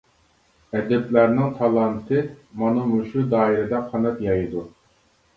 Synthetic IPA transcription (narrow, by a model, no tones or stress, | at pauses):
ɛd̪ɛplæɾnɪŋt̪ʰɑlˠɑnt̪ʰɨmɑnɨmuʃud̪ɑːiɾɪd̪ɛqʰːɑnɛt̪jɑjɨd̪u